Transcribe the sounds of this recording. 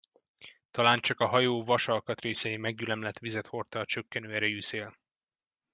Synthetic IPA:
t̪ɒlaːnt͡ʃɒkɒɦɒjoːvɒʃɒlkɒt̪reːsɛjimɛɡjylɛmlɛt̪ʋizɛt̪ho̞rt̪ɒt͡ʃø̞kːɛnøːɛɾɛjyːseːl

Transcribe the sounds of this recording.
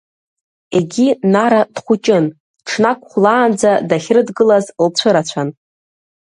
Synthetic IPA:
e̞ɡʲinaɾad̥χʷut͡ʃʼɪn | ʈ͡ʂʰnakʷʼχʷlaːnd͡zadaχʲrɨdɡɨlazlt͡ɕʷʰɨɾat͡ɕʷʰan

